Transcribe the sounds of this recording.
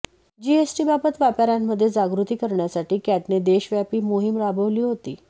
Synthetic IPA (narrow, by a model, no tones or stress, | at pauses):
d͡ʑiesʈiːbabət̪ʋapaɾamːəd̪ʱːjed͡zaɡɾut̪iːkəɾɳjasaʈiːkæʈned̪eɕʋjapiːmoɦimɾabʱəʋliːɦot̪iː